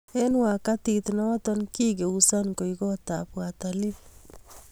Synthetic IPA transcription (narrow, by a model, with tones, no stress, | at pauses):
e˦nwa˨kati˨tnɔ˦wa˦tɔ˦nki˦ɡe˨usa˦nko˨iɡɔ˦tapwatali˦p